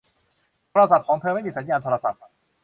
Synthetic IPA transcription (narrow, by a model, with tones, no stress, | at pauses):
t̪ʰoː˧ɾa˧sa˨˩p̪̚kʰɔː˩˦ŋt̪ʰɤː˧ma˥˩jmiː˧sa˩˦njaː˧nt̪ʰoː˧ɾa˧sa˨˩p̚